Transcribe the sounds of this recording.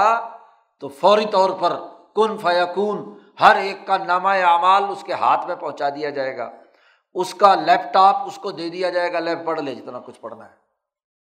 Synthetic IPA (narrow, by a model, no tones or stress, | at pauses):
t̪oːfɔːɾit̪ɔːɾpɐɾkʊnfajakuːn | hɐɾeːkːanaːmaeaːmaːlʊskeɦa̰ːt̪ʰmẽpɐ̃ɦʊ̃t͡ʃad̪ijad͡ʒaːeːɡa̰ː | ʊskalɛːpʈaːpʊskod̪eːd̪ijad͡ʒaːeːɡalɛːp̚bɐɽled͡ʒɪt̪nakʊt͡ʃʰpɐɽ̤na̰ɦɛː